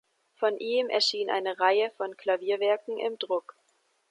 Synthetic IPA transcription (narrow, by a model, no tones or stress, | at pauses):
fɔnʔiːmɛ̰ɐʃiːnʔa̰ɪnəʁaɪəfɔnkʰl̥aviːɐvɛɐkŋ̩ʔɪ̰mdʁʊk